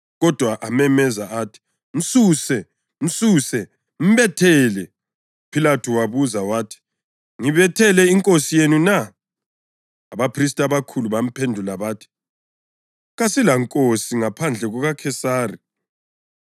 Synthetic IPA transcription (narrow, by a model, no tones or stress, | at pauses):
ɣɔd̥ʱwaʔamɛmɛzaatʰi̥ | m̩suːsɛ | m̩suːsɛ | m̩βɛtʰɛlɛ | upʰilatʰɔwaβuzawaːtʰi̥ | ŋiβɛtʰɛlɛiŋkʼosijenuna | aβapʰris̬tʼaβakʰuluβam̩pʰendʱulaβaːtʰi̥ | ɣasilaŋkʼosiŋapʰand͡ɮʱɛɣɔɣakʰɛsaːri